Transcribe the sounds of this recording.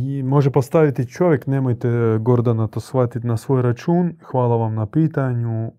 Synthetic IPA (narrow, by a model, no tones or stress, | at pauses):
mo̞ʒepost̪aʋit̪it͡ʃo̞ʋʲjeknemojt̪eɡo̞ɾd̪anat̪oːsxʋat̪it̪nasʋo̞ːjɾat͡ʃuːnxʋaːlˠaʋamnapiːt̪aɲu